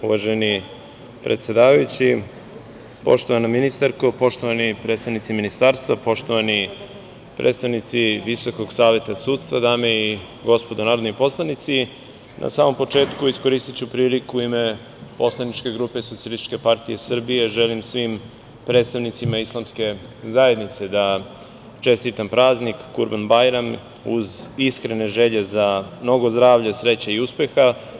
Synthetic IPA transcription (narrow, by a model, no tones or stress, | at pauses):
uʋaʒeni | pɾet̪sʲed̪aːʋajut͡ɕi | po̞̰ʃt̪oʋanaminist̪aɾkopo̞ʃt̪o̞ʋanipɾet̪st̪aʋnit̪siminist̪aːɾst̪vapo̞ʃt̪o̞ʋani | pɾʔḛt̪st̪aʋnit̪siʋiso̞ko̞ɡsaːʋe̞t̪asuːt̪st̪vad̪aːmei | ɡo̞spo̞d̪onaːɾod̪nipo̞slˠanit̪si | nʔa̰saːmo̞mpo̞t͡ʂe̞ːt̪kuisko̞ɾist̪it͡ɕupɾiːlikuime̞ | po̞slˠanit͡ʃke̞ɡɾuːpe̞so̞t̪sijalist̪i̥t͡ʃkʲe̞paɾt̪ije̞sr̩bije̞ʒe̞limsʋim | pɾet̪st̪aʋnit̪simaislˠamske̞zae̞d̪nit̪se̞d̪a | t͡ʃe̞st̪it̪ampɾaːznikːuɾbanbajɾam | ṵziskɾene̞ʒe̞ʎe̞zamno̞ɡo̞zd̪ɾaːʋʎasɾe̞t͡ɕaiuspe̞xa